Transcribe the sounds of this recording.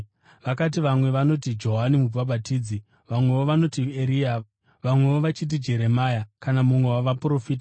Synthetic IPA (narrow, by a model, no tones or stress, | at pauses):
ʋakat̬iʋamwe̞ʋano̞tid͡ʒo̞ɦanimub͡vaɓatiːd͡zi | ʋamwe̞ʋoʋano̞tieɾia | ʋamwe̞ʋoʋat͡ʃit̬id͡ʒe̞ɾe̞maːjakanamumwe̞waʋapuɾo̞fiːt̬a